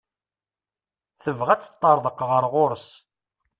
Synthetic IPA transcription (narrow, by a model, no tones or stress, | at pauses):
θəvʁæt͡sːə̥t̪ˤːɑɾˤðˤəqːʁəɾʁʊɾəs